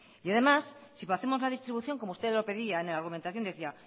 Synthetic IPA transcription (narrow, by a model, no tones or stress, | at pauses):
jaðe̞masːipaθe̞mo̞zlaðist̪ɾiβuθjo̞ŋko̞moust̪eðlo̞pe̞ðiaenelaɾɣument̪aθjoneθia